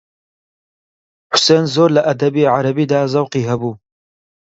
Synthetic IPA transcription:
ħʊ̥seːnzoːɾlɐʔɐd̪ɐbiːʕaɾɐbiːd̪aːzɐwqiːɦɐbuː

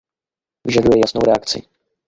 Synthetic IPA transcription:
vɪʒadujɛjasno̰wɾɛakt͡sɪ̰

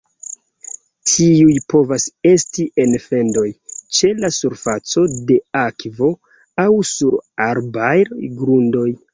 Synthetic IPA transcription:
tʰiujpo̞vase̞stiʔe̞nfe̞ndo̞jt͡ʃe̞lasuɾfat͡so̞de̞akvo̞ | awsuɾaɾbajɡɾundo̞j

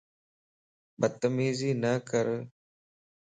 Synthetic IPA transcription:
bət̪ːəmiːziːnəkəɾ

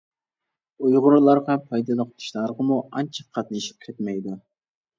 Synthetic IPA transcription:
ujʁʊɾlˠɑɾʁɑpʰɑjd̪ɑd̪əqʰʊ̥t̪ʰu̥ʃlˠɑɾʁəmuɑnt͡ʃʰɑ̥qʰɑt̪nɨʃi̥p̚kʲʰet̪mɛjd̪u

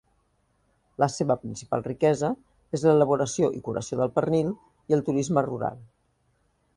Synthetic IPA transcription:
ləseβəpɾinsipa̰lˠrikɛzə | ezlələβ̞uɾəsioʔikuɾə̰sioðəlˠpərnilˠ | iəlˠt̪uɾizməruɾa̰lˠ

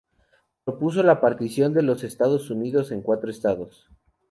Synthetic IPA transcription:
pɾo̞pus̬o̞lapaɾt̪isjo̞nd̪e̞lo̞se̞st̪að̞o̞suniðo̞se̞ŋkwat̪ɾoest̪aðo̞s

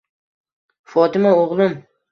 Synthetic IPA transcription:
fɒt̪ɪmaoʁlˠɪm

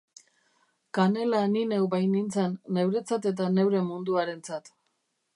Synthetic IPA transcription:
kane̞laninewbajnint͡sanːe̞wɾe̞t͡sat̪e̞t̪̬ane̞wɾe̞mund̪uaɾe̞nt͡sat̪

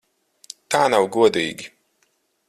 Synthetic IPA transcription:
t̪aːnawɡuɔd̪iːɡʲi

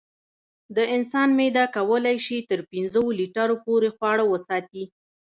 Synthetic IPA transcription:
d̪əɪnsɑnmed̪ɑkawəlajʃit̪əɾpinzəwoliʈaɾopoɾexwɑɽawəsɑt̪i

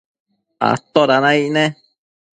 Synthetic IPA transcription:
a̰t̪ːoɾanainɛ

